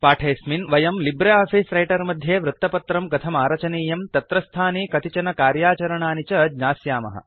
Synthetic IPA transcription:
paːʈʰeːsminʋɐjɐmlibɾeaːpʰiːsɾɐjʈɐɾmɐd̪ʱjeːʋɾut̪ːɐpɐt̪ɾɐmɡɐt̪ʰɐmaːɾɐt͡ʃɐniːjɐmt̪ɐt̪ɾɐst̪ʰaːniːkɐt̪it͡ʃɐnɐkaːɾjaːt͡ʃɐɾɐɳaːnit͡ʃɐd͡ʒɲaːsjaːmɐ̰ɦɐ̰

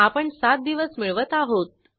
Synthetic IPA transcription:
apəɳsat̪̚d̪iʋəsmiɭʋət̪aɦot̪̚

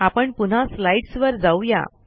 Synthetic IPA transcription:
apəɳpun̤aslaiʈsʋəɾd͡zauja̰

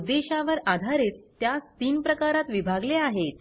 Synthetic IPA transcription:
d̪ːeɕaʋəɾad̪ʱaɾet̪ːjast̪iːnpɾəkaɾat̪ʋibʱaɡleaɦet̪

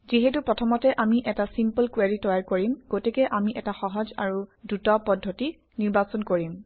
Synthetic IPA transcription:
ziɦetupɹɔtʰɔmɔtɛʔamiʔɛtasimpəlkwaɹitɔjaɹkoɹimɡ̥otikɛʔamiʔɛtaxɔɦɔza̰ɹudutɔpɔdʱːoti | niɹbasɔnkoɹim

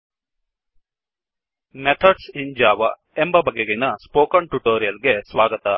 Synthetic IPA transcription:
met̪ʰɐɖsind͡ʒaːʋɐ | embɐbʱɐɡeɡenɐspoːkɐnʈuʈoːɾijɐlɡesʋaːɡɐt̪ɐ

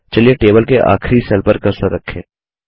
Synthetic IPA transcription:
t͡ʃɐlieʈeːbəlkeʔa̰ːkʰɾisɛlpəɾkɐɾsɐɾɐkʰːḛ̃ː

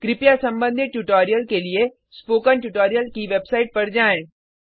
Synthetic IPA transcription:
kɾɪpjasɐ̃mbə̃nd̪ʱɪt̪̚ʈuʈoːɾijəlkelie | spoːkənʈuʈoːɾijəlkiʋebsaːɪʈ̚pɐɽd͡ʒaːẽ

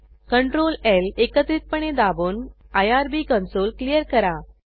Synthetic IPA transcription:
kəɳʈɾolelekət̪ɾiːt̪̚pəɳ̃ed̪aboːn | ajaɾbikə̃nsolklijəɾkəɾa

